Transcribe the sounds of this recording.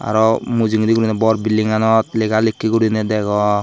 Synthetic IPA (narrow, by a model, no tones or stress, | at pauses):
a̰ɾɔmud͡ʒiŋɾikuɾinɛbɔɾbilːiŋanɔt̪lekalikːikuɾinɛd̪ɛɡɔ